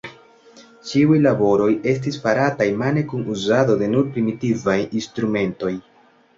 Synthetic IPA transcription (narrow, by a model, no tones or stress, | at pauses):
t͡ʃiujlabo̞ɾo̞je̞stisfaɾatajmane̞kunuzado̞de̞nuɾpɾimitivajinstɾume̞nto̞j